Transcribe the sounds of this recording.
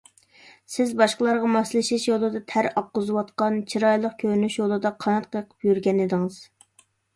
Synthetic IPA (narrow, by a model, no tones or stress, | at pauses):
sɪzbɑʃqəlˠɑɾʁɑmɑslˠʃiʃjolˠɨd̪ɑt̪ʰæɾɑp̚qʊzɨwɑt̪qɑnt͡ʃʰiɾɑjlˠəq̚kʲʰøɾnyʃjolˠɨd̪ɑqʰɑnɑt̪̚qʰəjqʰə̥pjyɾɡʲɛnɪd̪ɪŋɨz̥